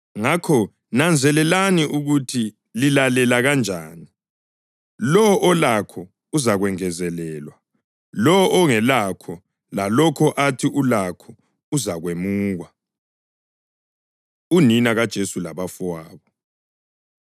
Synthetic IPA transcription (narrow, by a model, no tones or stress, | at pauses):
ŋakʰɔ | nand͡zʱɛlɛlaniʔuɣutʰi | lilalɛlaɣand͡ʒʱaːni | lɔʔɔlakʰɔ | uzaɣwɛŋɛzɛlɛːlwa | lɔʔːŋɛlakʰɔ | lalɔkʰɔʔatʰiʔulakʰɔ | uzaɣwemuːɣwa | uninaɣad̥ʒ̥ʱesulaβafuwaːβɔ